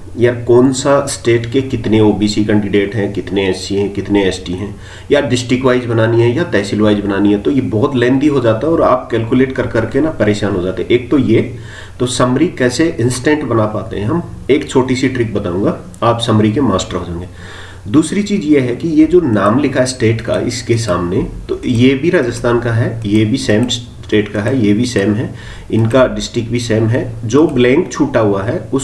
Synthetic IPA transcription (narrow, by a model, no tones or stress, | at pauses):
jakɔːnsasʈeːʈkekɪt̪nẽoːbiːsikɛ̃ɳɖɪɖeːʈɦɛ̃kɪt̪neɛsiɦɛ̃kɪt̪neɛːsʈiɦɛ̃ː | jaɖɪsʈɾɪkʋaːɪd͡ʒbɐnaːniɦɛ̃jat̪ɛːsɪlʋaːɪd͡ʒbɐnaːniɦɛ̃t̪ojebɔːt̪lɛ̃ːnd̪iɦod͡ʒaːt̪aɦɛɔːɾa̰ːp̚kɛːlkjuleːʈkɐɾkɐɾkenapɐɾeːʃaːnɦod͡ʒaːt̪eɦɛ̃ʔeːk̚t̪oje | t̪osɐmɾikɛːseʔɪ̃nsʈɛ̃ːʈbɐnapaːt̪ḛɦɛ̃ɦɐm | eːkt͡ʃʰoːʈisiʈɾik̚bɐt̪aːũːŋɡa | aːpsɐmɾikemaːsʈəɾɦod͡ʒãːŋɡeː | d̪uːsɾit͡ʃiːzjeɦɛkijed͡ʒoːnaːmlɪkʰaɛsʈeːʈka̰ɪ̰skesaːmnet̪oːjebʱiɾaːd͡ʒəst̪ʰaːnkaɦɛjebʱisɛːms | sʈeːʈkaɦɛjebʱisɛːmɦɛ | ɪnkaɖɪsʈɾɪkbʱisɛːmɦɛd͡ʒoːblɛ̃ːŋkt͡ʃʰuːʈaɦuaɦɛʊs